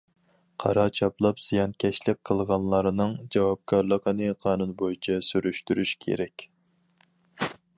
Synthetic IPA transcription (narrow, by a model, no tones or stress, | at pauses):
qʰɑ̰ɾɑt͡ʃʰɑplˠɑpz̥ijɑnkʲʰɛʃlɪk̚ʲqʰəlˠʁɑnlˠɑɾɨnɨŋd͡ʒɑwɑp̚kʰɑɾlˠəqənɨqʰɑːnunbojit͡ʃʰɛsyɾyʃt̪yɾyʃkʲʰḛɾɛkʲ